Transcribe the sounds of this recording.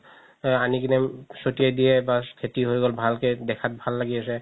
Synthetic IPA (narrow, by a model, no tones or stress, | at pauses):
anikinɛmsotijɛdijɛbakʰetiɦojɡɔlbʱalkedɛkʰat̚bʱalːaɡiasɛ